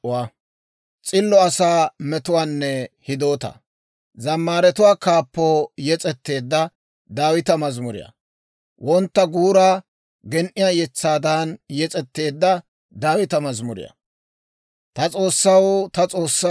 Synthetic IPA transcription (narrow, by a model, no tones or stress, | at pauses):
t͡sʼɪlːɔɐsaːmɛt̪ʊwaːnːɛhɪd̪o̞ːt̪ɐ̰ | zɐmːaːɾɛt̪ʊwaːkaːpːoːjɛt͡sʼɛt̪ːe̞ːd̪ːɐ | d̪aːwɪt̪ɐmɐzmʊɾɪ̰jɐ̰ | wʔɔnt̪ːɐɡuːɾaː | ɡɛnʔɪjaːjɛt͡sːaːd̪aːnjɛt͡sʼɛt̪ːe̞ːd̪ːɐ | d̪aːwɪt̪ɐmɐzmʊɾɪ̰jɐ̰ | t̪ɐt͡sʼo̞ːsːɐwt̪ɐt͡sʼo̞ːsːɐ